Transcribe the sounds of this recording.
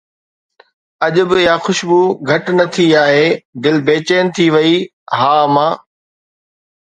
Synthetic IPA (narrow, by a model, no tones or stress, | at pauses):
ɐʄʊ̆bɪjaxʊʃbuːɡʱɐʈnɐt̪ʰiaːɦeːd̪ɪlbeːt͡ɕeːnɪ̆t̪ʰiʋɐi | ɦaːmãː